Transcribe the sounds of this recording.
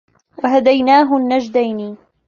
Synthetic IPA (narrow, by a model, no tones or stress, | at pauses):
waɦad̪ajnaːɦʊnːad͡ʒd̪ajni